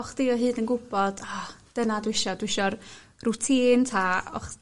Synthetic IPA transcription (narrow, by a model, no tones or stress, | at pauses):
ɔχd̥ɪɔɦɨːdənɡʊbɔd̥ad̥ənadwɪʃɔdwɪʃɔr | rʊtʰiːntʰaɔ̰χ